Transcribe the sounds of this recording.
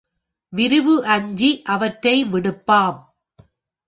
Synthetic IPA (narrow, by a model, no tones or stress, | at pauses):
ʋɪɾɯʋɯʔɐɲd͡ʒiʔɐʋɐʈɾɐɪʋɪɽɯpːaːm